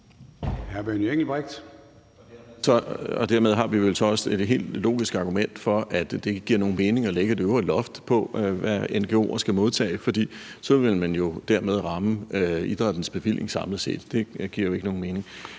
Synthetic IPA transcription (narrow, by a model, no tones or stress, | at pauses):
hæɐb̥eneŋ̰l̩b̥ʁɛɡ̥̚d̥ | sɒ̽ɒ̽d̥æɐmeð̞ˠɦɑ̈ʋiʋe̝lsɒɒ̽se̝d̥ɦe̝̰ːld̥lo̰ːɡ̥isɡ̥ɑ̈ɡ̥umen̰d̥fɒ̽ʔæd̥d̥e̝e̝ɡ̥əɡ̥iɐ̰no̝ːn̩me̝ːne̝ŋɒ̽leɡ̥əd̥e̝øʊɐlɒ̽fd̥pʰɒ̽ʋæenɡ̥eo̝̰ːɐsɡ̥æmo̝ðˠt͡sʰɛ̰ːfɒ̽d̥ḭːsɒ̽ʋe̝lmænjo̝d̥æɐmeð̞ˠʁɑ̈məid̥ʁɑd̥n̩sb̥e̝ʋil̰je̝ŋsɑ̈mləse̝̰ːd̥d̥e̝ɡ̥iɐ̰joe̝ɡəno̝ːn̩me̝ːne̝ŋ